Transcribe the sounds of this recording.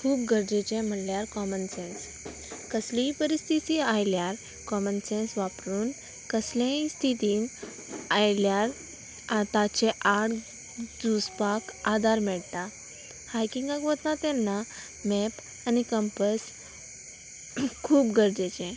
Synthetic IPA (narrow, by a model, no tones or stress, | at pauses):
kʰuːp̚ɡʱəɾd͡ʑet͡ɕɛ̃m̤əljaɾkɔmənsɛ̃ns | kəsliipəɾist̪ʰit̪iajljaɾ | kɔmənsẽnsʋapɾuːn | kəslãĩst̪ʰit̪iːn | ajljaɾ | at̪at͡ɕeʔaɽ | d͡zuspakad̪ʱaɾmɛɭt̪a | hajkĩŋɡaɡʋət̪nat̪ɛnːa | mɛp | anikəmpəs | kʰuːpɡəɾd͡ʑet͡ɕɛ̃